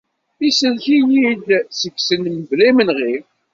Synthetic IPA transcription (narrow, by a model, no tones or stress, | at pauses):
isəlçijid̪səɡsənməvlimənʁi